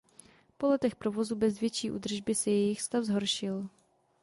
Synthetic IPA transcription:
po̞lɛt̪ɛxpɾovo̞zubɛzvjɛt͡ʃiːʔṵːd̪r̩ʒbɪsɛjɛjɪxst̪avzɦo̞ɾʃɪl

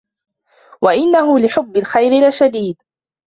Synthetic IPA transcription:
waʔɪnːaɦʊlɪħʊbːɪlxajɾɪlaʃad̪iːd̪

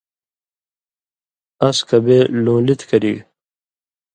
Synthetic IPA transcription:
ɐskɐbeːlõːlit̪kɐɾiɡ

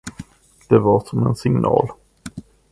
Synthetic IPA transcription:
d̪̥ɛvaɾʂɔmɛnsɪŋnɑ̰ːl

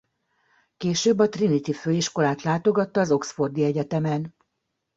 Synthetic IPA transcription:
keːʃøːbːɒt̪rinit̪iføːiʃko̞laːt̪laːt̪o̞ɡɒt̪ːɒːzo̞ksfo̞rd̪iɛɟɛt̪ɛmɛn

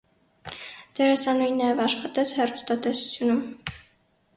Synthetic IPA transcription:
d̪̥ɛɾɛsɑnujinːɑjɛvɑʃχɑt̪ɛt͡sʰhɛrust̪ɑt̪ɛsu̥t͡sʰjunum

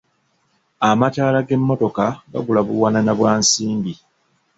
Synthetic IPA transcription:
amataːlaɡe̞mːo̞to̞kaɡa̰ɡulaβuwaːnanaβwaːnsiːmbi

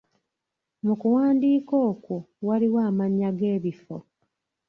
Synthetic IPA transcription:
mukuwaːndiːkoːkowaliwaːmaɲːaɡe̞ːβifo̰

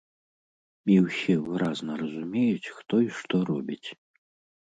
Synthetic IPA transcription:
mʲiwsʲɛvɨɾaznɐɾɐzumʲɛjut͡sʲxt̪ɔiʂt̪ɔɾɔbʲit͡sʲ

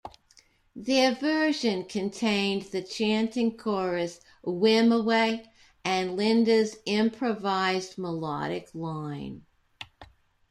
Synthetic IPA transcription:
ðə˞vɜ˞ʒɨ̃nkʰɨ̃ntʰẽɪ̃nðɨt͡ʃʰæ̃ntɪ̃ŋkʰɔɹɨs | wɪ̃məweɪ | ɨ̃nlɪ̃ndɨzɪ̃mpʰɹ̥ɨvaɪzməlɑ̰ɾɨklãɪ̃n

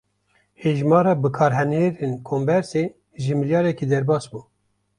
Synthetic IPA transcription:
heːʒmɑːɾɑːbɨkʰɑːɾɦɛneɾenkʰombɛɾse | ʒɨmiljɑːɾɛkiːd̪ɛɾbɑːsbuː

